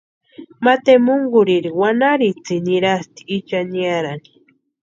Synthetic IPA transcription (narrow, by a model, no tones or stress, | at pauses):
mat̪emʊŋɡʊɾiɾiwanaɾit͡siniɾast̪i̥ːt͡ʃaniaɾani̥